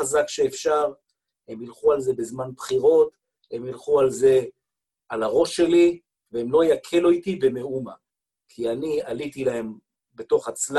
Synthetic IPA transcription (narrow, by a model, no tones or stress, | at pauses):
azakʃeːfʃaʁ | e̞milχualze̞bezmanbχiʁo̞t̪ | e̞milχualze̞ | alaʁo̞ʃe̞li | veemlo̞jakʰeloit̪ibeme̞uma | kʰianialit̪ilahe̞m | be̞to̞χat͡sl